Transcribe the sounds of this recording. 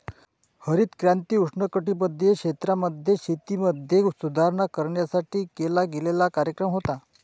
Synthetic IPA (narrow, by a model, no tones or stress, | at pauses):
həɾiːt̪kɾjant̪iːuʂɳəkəʈiːpəd̪ʱːjekʂet̪ɾaməd̪ʱjeɕit̪iməd̪ʱjesud̪ʱaɾɳakəɾɳjasaʈiːkelaɡelelakaɾjəkɾəmɦot̪a